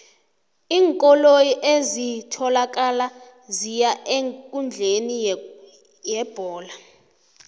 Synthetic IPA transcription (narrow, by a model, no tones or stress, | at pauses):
iːŋkʼɔlojiʔezitʰɔlakʼala | zijaʔeŋkʼund͡ɮʱeni | jɛb̥ʱɔːla